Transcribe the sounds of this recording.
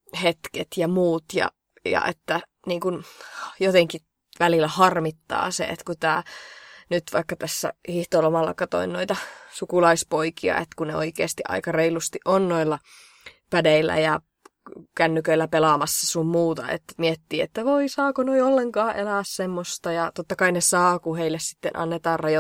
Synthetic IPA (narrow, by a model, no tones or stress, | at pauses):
het̪ket̪jɑmuːt̪jɑ̰ | jɑ̰ʔet̪ːæ | niːŋkunjot̪eŋki | ʋælilːˑæhɑrmit̪ːɑ̰ːsḛḛt̪kut̪æ̰ːnyt̪ʋɑikːɑt̪æsːæ̰hiht̪olomɑlːɑ̰kɑt̪o̰innoit̪ɑsukulɑispoikiɑ̰ʔḛt̪kuneo̰ikeːst̪iʔɑ̰ikɑreilust̪iʔonnoilːɑ | pædeilˑːæ̰jɑ | kænːykøilːæpelɑmɑsːɑsummuːt̪ɑ̰ḛt̪ːmiet̪ːiːet̪ːæʋoisɑːkonoiolːeŋkɑːʔelæːssemːost̪ɑjɑt̪ot̪ːɑkɑinesɑːkuheilːessi̥t̪ːenʔɑ̰nːet̪ɑːrrɑjo